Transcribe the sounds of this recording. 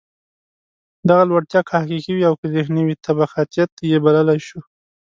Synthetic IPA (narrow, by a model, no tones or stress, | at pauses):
d̪aɣalwaɽt̪jɑkʰɑhkikiwiawkəzehnawit̪ʰabaxat̪ijat̪̚jebaləlajʃu